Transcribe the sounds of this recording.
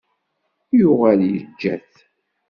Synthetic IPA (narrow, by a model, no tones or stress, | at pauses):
jʊʁæljəd͡ʒːæ̰θ